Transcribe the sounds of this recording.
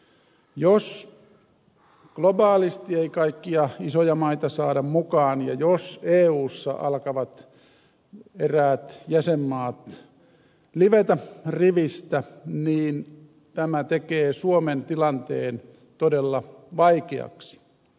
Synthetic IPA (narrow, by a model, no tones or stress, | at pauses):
jos | ɡ̥lobɑːlist̪ieikɑikːiɑisojɑmɑit̪ɑsɑːdɑmmukɑːnjɑ̰joseːuːsːɑ̰ʔɑ̰lkɑʋɑt̪ | eræːt̪jæsemːɑːt̪ | liʋet̪æriʋist̪æniːn | t̪æmæt̪ekeːsuoment̪ilɑnt̪eːn | t̪odelːɑʋɑikeɑ̰ksi̥